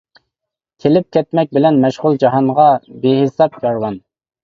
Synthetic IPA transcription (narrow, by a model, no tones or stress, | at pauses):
kʲʰelɪp̚kʲʰɛt̪̚mɛk̚ʲbɪlɛnmɛʃʁʊlˠd͡ʒɑɦɑnʁɑbeɦesɑpjɑɾwɑn